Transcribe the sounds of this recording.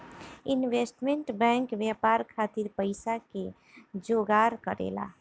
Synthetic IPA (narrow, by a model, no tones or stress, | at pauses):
inʋesʈmeɳʈbɛ̃ŋkʋjapaɾkʰat̪iɾpəɪsake | d͡ʒoɡaɾkəɾḛla̰